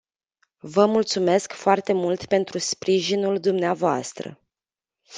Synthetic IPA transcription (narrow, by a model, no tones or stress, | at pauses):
vəmult̪sume̞skfoart̪e̞mult̪pe̞nt̪ɾuspɾiʒinuld̪umneavoa̰st̪ɾə̰